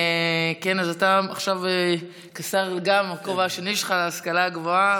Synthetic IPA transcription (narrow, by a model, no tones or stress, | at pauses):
kenazataaχʃave | kasaʁleɡamakovaaʃeniʃχaleaskalaɡvoa